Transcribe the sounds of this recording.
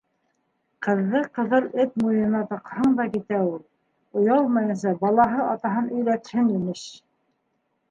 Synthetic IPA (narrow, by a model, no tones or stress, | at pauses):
qɤ̆ðːɤqɤ̆ðɤlˠɘt̪̚mujɤ̆nɑt̪ɑ̆qhɤɴd̪ɑkit̪æulˠ | ŏjɑlˠmɑjɤ̆nsɑbɑlˠɑɦɤɑt̪ɑɦɤnɵ̆jlæt̪hɘnimɘʃ